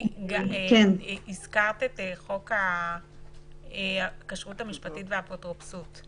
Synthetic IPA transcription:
ɡakenizkaʁt̪eteχo̞ka | eakaʃʁuthamiʃpatitvehapotʁopsut

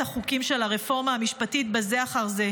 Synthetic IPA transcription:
aχukimʃe̞laʁefo̞ʁmaːmiʃpatitbeze̞aχaʁze̞

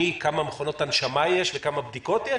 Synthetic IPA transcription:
ikamameχono̞tanʃamajeʃvekamabd̪iko̞tje

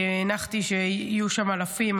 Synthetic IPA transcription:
enaχt̪iʃeijuʃamalafim

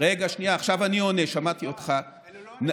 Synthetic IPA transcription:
ʁeɡaʃniaːχʃavanio̞neʃamat̪iotχa | n

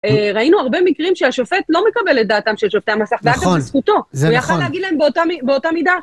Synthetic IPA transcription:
eʁainuaʁbe̞mikʁimʃeaʃofe̞tlo̞mekabelet̚d̪aːtamʃelʃofteamasaχveaɡaviskuto̞ujaχaleaɡidlaembeotamibeotamida

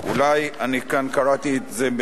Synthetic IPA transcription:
ṵlajanikankaɾat̪iet̪zeb

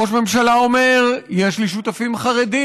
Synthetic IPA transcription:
o̞ʃme̞mʃalao̞me̞ʁjeʃliʃut̪afimχaʁed̪i

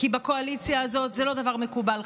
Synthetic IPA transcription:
kibako̞alit͡sjaːzo̞t̪zelo̞d̪avaʁme̞kubal

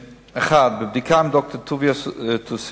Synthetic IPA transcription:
aχad̪̚bɪb̚d̪ɪkʰamd̪ɔk̚t̪ət̪ʰuvjast̪ʰus

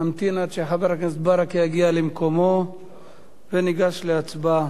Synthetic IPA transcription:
amt̪inad̪ʃeħabeɾaknesbaɾakijaɡialemko̞mo̞ | veniɡaʃleat͡sba

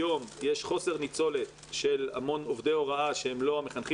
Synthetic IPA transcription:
o̞mjeʃχo̞se̞ʁnit͡so̞le̞t̪ʃe̞la̰mo̞no̞vd̪eo̞ʁaaʃeemlo̞ame̞χanχi

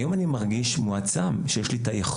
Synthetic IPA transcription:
jo̞manimaʁɡiʃmuat͡samʃejeʃlitajaχ

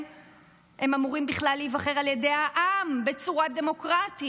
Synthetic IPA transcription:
hemamuʁimbiχlalːivaχeʁaljedejhaʔambet͡suʁade̞mo̞kʁati

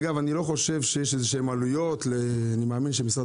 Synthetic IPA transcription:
ɡavanilo̞χo̞ʃe̞vʃejeʃezeʃeemalujo̞tle | animeaːminʃemisa

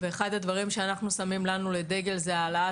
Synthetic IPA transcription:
veːχad̪had̪vaʁimʃeanaχnusamimlanule̞d̪e̞ɡe̞lzealaa

